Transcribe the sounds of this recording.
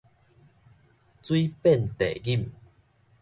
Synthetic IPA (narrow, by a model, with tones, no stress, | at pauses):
t͡swi˦pɛ˥˨nt̪ḛ˨ɡi˥˨m